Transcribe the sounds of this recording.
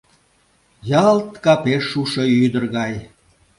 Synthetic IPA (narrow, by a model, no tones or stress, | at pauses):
jɑlt̪kɑpeʃːuʃoyd̪ərɣɑj